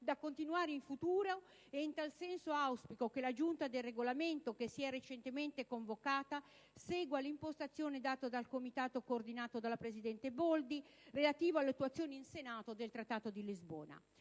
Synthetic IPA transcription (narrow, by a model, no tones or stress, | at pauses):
d̪akːont̪inuaːɾeiɱfut̪uːɾo | eint̪alsɛnsoawspikokelad͡ʒunt̪ad̪elreɡolament̪okesiɛrːet͡ʃent̪ement̪ekoɱvokaːt̪a | seːɡwalimpost̪at̪sːjoːned̪aːt̪od̪alkomit̪aːt̪okoːrd̪inaːt̪od̪alapɾesid̪ɛnt̪ebɔld̪irelat̪iːvoalːeat̪ːuat̪sːjoːniinsenaːt̪od̪elt̪ɾat̪ːaːt̪od̪ilizbɔ̰ːna̰